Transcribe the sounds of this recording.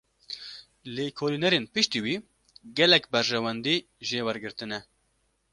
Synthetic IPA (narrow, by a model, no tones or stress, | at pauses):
leːkʰoːlinɛɾeːnpɨʃt̪iːwiː | ɡɛlɛkbɛɾʒɛwɛnd̪iː | ʒeːwɛɾɡɨɾt̪ɨnɛ